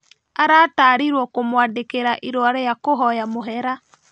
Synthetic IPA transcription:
aɾaːtaːɾiɾwɔkomwadekeɾaʔiɾoaɾɛjakoɦɔjamoɦɛɾa

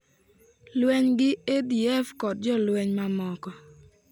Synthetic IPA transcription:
lwɛɲɡɪediɛfkɔt̚d͡ʒɔlwɛɲmamɔkɔ

